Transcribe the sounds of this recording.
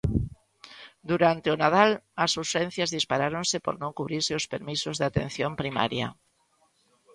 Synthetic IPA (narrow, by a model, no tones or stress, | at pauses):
d̪uɾant̪eʊnað̞alasusɛn̟θjazðispaɾaɾõŋsɪpo̰ɾnõŋkuβɾiɾseʊspeɾmisʊzðɪat̪ḛn̟θjompɾima̰ɾja̰